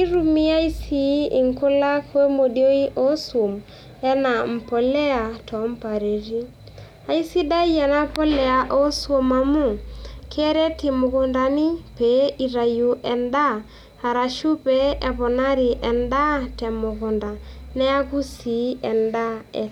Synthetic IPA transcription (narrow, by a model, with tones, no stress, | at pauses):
i˦ɾu˨mi˦a˦i˦si˨˦ɪ˨ŋkʊ˦la˦kwe˦mo˨djo˦i˦ʔo˦so˨m | ɛ˦na˨m̩˨pɔ˨lɛ˦a˨tɔ˨˦m˦pa˨ɾe˨ɾi˦ | a˨i˦si˦da˦ja˨na˦pɔ˦lɛ˨a˨ʔo˦swo˨ma˨mu˦˨kʰɛ˦ɾɛ˦tɪ˨mʊ˨ko˨nda˨nɪ˦pe˨˦i˨ɾa˨ju˨ʔɛ˨nda˦ | a˨ɾa˨ʃu˦pɛ˦ʔɛ˨βɔ˨na˦ɾɪ˨ʔɛ˨nda˦tɛ˨mʊ˨kʊ˨nda˨nɛ˦a˦ku˦si˨˦ɛ˨nda˦ɛ˨